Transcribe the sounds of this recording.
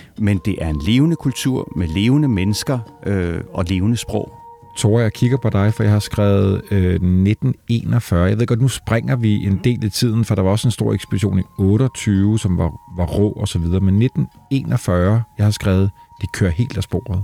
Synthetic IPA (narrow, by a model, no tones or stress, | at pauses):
mend̥e̝ʔæɐenle̝ːʊnəkʰult͡sʰuɐ̰mele̝ːʊnəmenəsɡ̥ɐøɒ̽le̝ːʊnəsb̥ʁɔ̰ʊ̰ | t͡sʰo̝ːɐ̰jɑ̈ɪkʰiɡ̥ɐpʰɒ̽d̥ɑ̈ɪfɒ̽jɑ̈ɪhɑ̈sɡ̥ʁɛːʊð̩ˠøned̥n̩e̝̰ːnɒfɶːɐjaɪʋe̝ðˠɡ̥ɒ̽d̥nusb̥ʁaŋ̰ɐʋie̝nd̥e̝̰ːlæt͡sʰið̰ˠn̩fɒ̽d̥ɾɑ̈ʋɑ̈ɒ̽səe̝nsd̥o̝ɐ̰eɡ̥sb̥ediɕo̝̰ːniɔːɾəɒt͡sʰyːʊəsɒ̽mʋɑʋɑ̈ʁɔ̰ːɒ̽sɒ̽ʋið̞ˠɐːmenːed̥n̩ | e̝ːnɒ̽fɶɐjɑ̈ɪhɑ̈sɡ̥ʁɛːʊð̞̩ˠd̥e̝kʰø̰ːɐɦe̝̰ːld̥æsb̥o̝̰ːɐð̩ˠ